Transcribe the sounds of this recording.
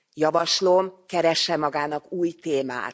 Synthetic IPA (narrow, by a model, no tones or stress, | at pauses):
jɒvɒʃlo̞mkɛɾɛʃːɛmɒɡaːnɒkuːjt̪eːma̰ːt̪